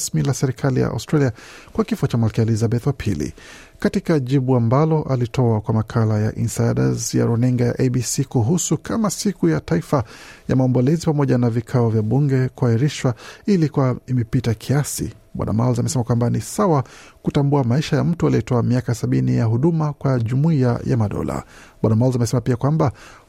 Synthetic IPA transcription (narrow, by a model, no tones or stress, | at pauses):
smilasɛɾikʰalija̰ʔa̰wstɾaliakwakifɔt͡ʃamalkɛɛlizabɛθwapʰilḭ | katikaʄiɓuambalɔʔalitʰɔakwamakʰalaja̰ʔinsajɗa̰zja̰ɾɔniŋɡaja̰ʔebisikuɦusukʰamasikujataifaja̰maɔmbɔlɛzipamɔʄanavikʰaɔvjaɓuŋɡɛkuahiɾiʃwailikuaimɛpitakʰiasḭ | ɓwa̰na̰ma̰lzamɛsɛmakwambanisawakutambuamaiʃajam̩tualiɔtɔamiakasaɓinijaɦuɗumakwaʄumuia̰ja̰maɗɔ̰la̰ | ɓwanamalzamɛsɛmapiakwamba